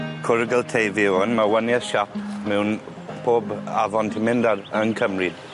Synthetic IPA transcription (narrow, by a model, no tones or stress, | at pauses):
kʰʊɾɡəlˠtʰejðɪwənmawənjaʃap̚mɛwn | pʰoːbaðɔntʰɪmɪndaɾənkʰəmrɪd̥